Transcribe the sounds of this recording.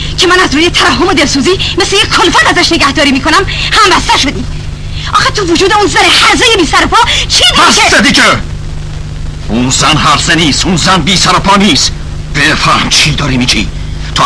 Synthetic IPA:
cʰemænæzɾuːjet̪ʰæɾæɦːomod̪elsuːziːmeslejekʰːolfæt̪æzæʃne̞ɟæhd̪ɒːɾiːmiːkʰo̞næmhæmbæst̪æʃod̪iː | ʔɒːxet̪ʰuvod͡ʒuːd̪eunzænehæɾzejebiːsæɾopʰɒːt͡ʃʰidæssed̪ike | unzænhæɾzeniːst̪unzænbiːsæɾopʰɒːniːst̪ | b̥efæhmt͡ʃʰiːd̪ɒːɾimiːt͡ʃʰḭː | t̪ʰo

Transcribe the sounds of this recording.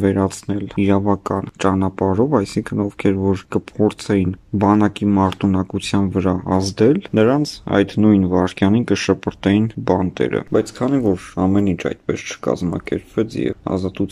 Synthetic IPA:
vɛɾɑt͡sʰnɛliɾɑvɑkɑnt͡ʃɑnɑpɑɾɔvɑjsiŋkʰənɔvkʰɛɾvɔɾkəpʰɔɾt͡sʰɛjinbɑnɑkimɑɾt̪ʰunɑkut͡sʰjɑnvəɾɑɑzd̪ɛlnəɾɑnt͡sʰɑ̰jd̪nujnvɑɾkjɑninkəʃəpəɾt̪ɛjinbɑnt̪ɛ̰ɾə̰bɑjt͡sʰkʰɑn̪ivɔɾɑmɛnint͡ʃʰɑ̰jt̪̚pɛst͡ʃʰə̥kɑ̰zmɑ̰kɛɾpvɛt͡sʰjɛ̰ɑ̰zɑt̪ut͡sʰ

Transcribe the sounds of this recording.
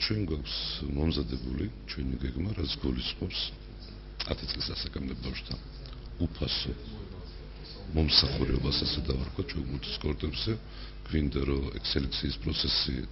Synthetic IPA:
t͡ʃʰwɛŋɡwakʰsmɔmzad̪ɛbulit͡ʃʰwɛniɡɛɡmaɾat̪sʰɡulisʼqʼɔps | at̪ʰit̪sʼlisasakʼamd̪ɛbafʃt̪ʰa | upʰasɔ | mɔmsaχuɾɛɔbasasɛd̪avaɾkʰat̪t͡ʃʰɛɡuɾt̪ʰi̥skʼɔɾt̪ʼɛbzɛ | ɡ̥vind̪aɾɔɛksɛlɛkt̪sʰiːspʼɾɔt̪sʰɛsḭ

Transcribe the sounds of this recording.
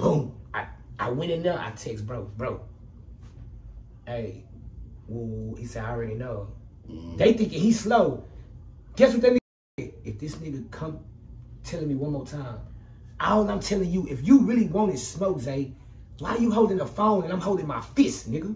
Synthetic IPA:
b̥õmaɪʔaɪwɛ̃ɾ̃ɨ̃nʌa̰ɪtʰɛksbɹoʊθbɹoʊθ | eɪ | wɛhisɛaɪɹɛɾinoʊ | ðeɪθɪ̃ŋkɪ̃ŋhiz̥sloʊ | ɡ̥ɛswɨðɛ̃ni | ɨfðɪsnɪɡɨkʰʌ̃mtʰɛlˠɪ̃ŋmiwʌ̃nmɔtʰãɪ̃m | ãnãɪ̃mtʰɛlˠɪ̃ŋjɨʔɪfjɨɹɪlˠiwɑ̃nɨsmoʊkzeɪ | waɪjɨɦoʊlˠdɪ̃ŋðəfõʊ̃nɨ̃nãɪmɦoʊlˠdɪ̃ŋmaɪfɪsnɪɡu

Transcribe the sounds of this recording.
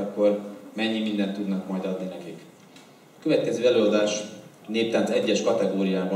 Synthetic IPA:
ɒkːo̞rmɛɲːimind̪ɛnt̪ːud̪nɒkmɒjd̪ɒd̪ninɛkik | ɒkøvɛt̪kɛzøːɛløːɒd̪aːʃ | neːpt̪aːnsɛɟːɛʃkɒt̪ɛɡoːɾijaːbɒ

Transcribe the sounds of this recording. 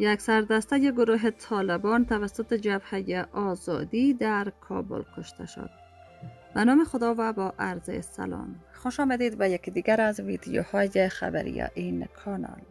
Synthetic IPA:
jaksaɾd̪ast̪ajeɡʊɾuɦet̪ʰɒlɪbɔnt̪avasʊt̪ed͡ʒabhajeʔɒzɔ̰d̪id̪aɾkʰɒ̰bʊ̰lkʰʊʃt̪ʰa̰ʃo̰d̪̚ | banɔmexʊd̪ɒvabɒʔaɾzḛsa̰lɒ̰mxoʃɒmad̪ed̪bajakid̪iɡaɾazvid̪ijo̰hɒjexa̰ba̰ɾḭja̰ʔinkʰɒnɒ̰l

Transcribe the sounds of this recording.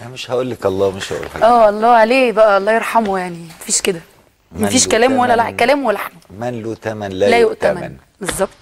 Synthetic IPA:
meʃhæʔoːlːækʔɑlˤːɑːmeʃhæ̰ʔo̰lħæʔæːʔɑlˤːɑːʕaleːbæʔæɑlːˤɑːjeɾˤħɑmojaʕnimæfiːʃked̪æ | mæfiːʃkælæːmwælːælæʔkælæːmwælːħmæmænlot̪æmænlælæːjoʔt̪æmæn | bezˤːɑb̚t̪ˤ

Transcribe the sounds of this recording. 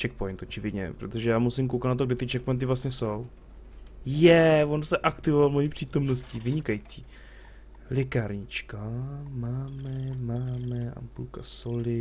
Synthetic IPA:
t͡ʃɛk̚pojnt̪ʔot͡ʃɪvɪd̪ɲɛ̰pɾot̪oʒɛjaːmusimk̬owkat̪nat̪oɡ̚dɪt̪ɪt͡ʃɛk̚pojnt̪̬ɪvlast̪ɲɛso̞w | jɛvo̞nsɛʔakt̪ɪvovalmojiːpr̝̥iːt̪o̞mno̞scɪvɪɲɪkajit͡siː | lɪkaɾɲɪt͡ʃkamaːmɛmaːmɛʔa̰mpulkasolɪ

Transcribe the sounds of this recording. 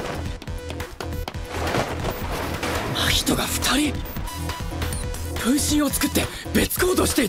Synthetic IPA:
açi̥t̪o̞ɡaɸɯ̥t̪ʰaɾʲi | kɯ̟̃ɰ̃ɕĩɰ̃o̞t͡sɨ̥kɯ̟t̪ːe̞ | be̞t͡sɨ̥ko̞ːd̪o̞ɕi̥t̪e̞i

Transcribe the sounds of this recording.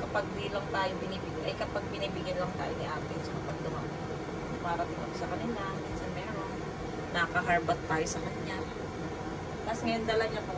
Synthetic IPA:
kɐpaɡ̚d̪ilɐŋt̪aːjobɪniːbiɡanʔɐjkɐpaɡ̚bɪniːbiɡɐnlɐŋt̪aːjonɐʔaːt̪ɪnsɐkɐpɐɡ̚d̪ʊma̰ʔ | paːɾɐt̪ɪma̰ʔsɐkɐnɪlamiːnsɐnmɛːɾoŋ | nɐkɐɦaɹbɐt̪ːaːjosɐmɐɲja | t̪asŋɐjond̪ɐlaɲapɐ

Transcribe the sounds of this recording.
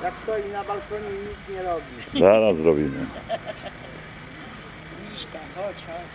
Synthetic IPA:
jakst̪ɔjinabalkɔɲɛɲit̪sɲɛɾɔbʲizaɾasɾɔbʲimɘ̰ | iʂkaɔt͡ʃ

